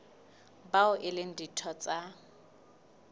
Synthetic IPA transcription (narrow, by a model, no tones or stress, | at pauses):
baʊʔɪlɪn̩ditʰɔt͡sʼa